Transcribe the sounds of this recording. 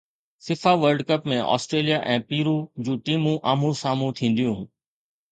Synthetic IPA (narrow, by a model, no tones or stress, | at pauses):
sɪfaːʋəɾɖkəpmẽʔɔ̰ːsʈɾeːlijaʔɛ̃ːpiːɾuːd͡ʑuːʈiːmũʔaːm̤ũsaːm̤ũt̪ʰĩːn̆d̪ijũː